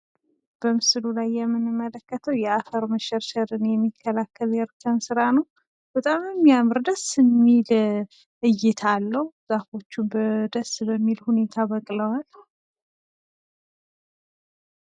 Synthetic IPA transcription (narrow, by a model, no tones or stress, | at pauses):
b̥əmɨslulajːɛmːɨnɨmːələkːət̪ʰəwjɛafəɾməʃɛɾʃəɾɨnjɛmːikʰːəlakːəljɛɾkʰənsɨɾanəw | b̥ət̪ʼamɛmːijamɨɾd̪əsɨmːil | ʔɨjːɪt̪ʰalːəhuz̥afo̞t͡ʃːunbəd̪əsbəmːilhune̞t̪ʰabəkʼləwal